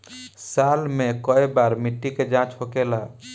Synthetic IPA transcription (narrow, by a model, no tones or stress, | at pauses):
salmekəebaɾmiʈːiked͡ʒãt͡ʃɦokela